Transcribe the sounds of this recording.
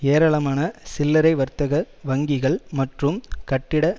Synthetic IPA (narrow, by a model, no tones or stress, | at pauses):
eːɾɐɭɐmaːnɐsɪlːɐɾɐɪʋɐɾt̪ɐɣɐ | ʋɐŋɡɪɣɐɭmɐʈrɯmkɐʈːɪɽɐ